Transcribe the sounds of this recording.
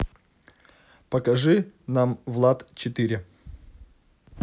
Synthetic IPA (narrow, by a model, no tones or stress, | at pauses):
pəkɐʐɨnamvlˠat̪t͡ɕɪt̪ɨɾʲɪ